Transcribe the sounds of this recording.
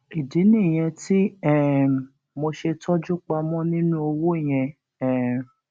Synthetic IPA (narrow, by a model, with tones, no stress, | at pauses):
i˨di˨˦nĩ˦˨j̃ɛ̃˧ti˦ɛ˦˨ | mo˧ʃe˧tʰɔ˦d͡ʒu˦k͡pa˧mɔ̃˦nĩ˦nũ˦o˧wo˦˨j̃ɛ̃˧ | ɛ˦